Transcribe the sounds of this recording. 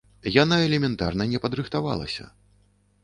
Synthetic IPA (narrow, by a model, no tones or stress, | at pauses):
janaɛlʲɛmʲɛnt̪a̰rnɐnʲɛpɐd̪ɾɨxt̪ava̰lˠɐ̰sʲɐ̰